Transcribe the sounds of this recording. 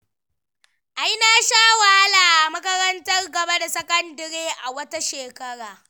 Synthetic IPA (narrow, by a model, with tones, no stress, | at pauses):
ʔa˦jnaː˨ʃaː˦wa˨ha˦laː˨ʔa˨mɐ˦kɐ˦ɾɐ˦ntɐ˦rɡɐ˨ba˦da˨sɐ˦kɐ˦ndɐ˨ɾeː˦ʔa˨wɐ˦ta˦ʃeː˨kɐ˦ɽaː˨